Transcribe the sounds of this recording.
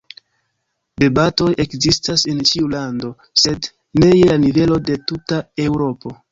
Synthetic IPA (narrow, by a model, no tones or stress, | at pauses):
bebato̞jʔe̞kzistase̞nt͡ʃiulando̞ | se̞d | ne̞jelanive̞lo̞de̞tutae̞wɾo̞po̞